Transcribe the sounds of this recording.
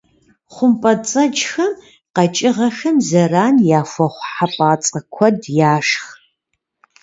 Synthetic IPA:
χʷʊmpʼɐt͡sʼɐt͡ʃxɐm | qɐt͡ʃʼɪʁɐxɐmzɐraːnjaːfʷɐχʷħapʼaːt͡sʼɐkʷʰɔdjaːʂx

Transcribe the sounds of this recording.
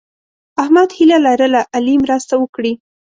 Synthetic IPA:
ahmad̪hilalaɾəlaʔalimɾast̪awəkɽi

